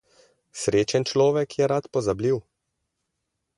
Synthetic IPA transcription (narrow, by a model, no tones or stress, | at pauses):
sɾeːt͡ʃɛnt͡ʃlɔːʋɛkjɛɾat̪pɔzabliw